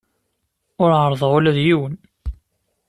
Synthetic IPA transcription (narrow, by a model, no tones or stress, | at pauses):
ʊɾʕəɾˤðˤəʁʊlæðjiwən